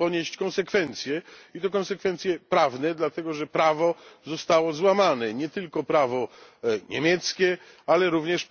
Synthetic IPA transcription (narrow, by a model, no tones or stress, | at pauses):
pɔɲeɕt͡ɕkɔ̃nsɛkfɛnt̪sʲjɛit̪ɔkɔnsɛkfɛnt̪sʲjɛpɾavnɛd̪lat̪ɛɡɔʐɛpɾavɔzɔst̪awɔzwamanɛɲɛt̪ɘlkɔpɾavɔ | ɲḛmʲjɛt̪skʲɛalɛɾuvɲɛʂ